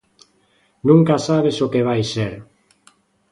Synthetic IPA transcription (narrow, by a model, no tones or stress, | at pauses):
nũŋkasaβesokeβajseɾ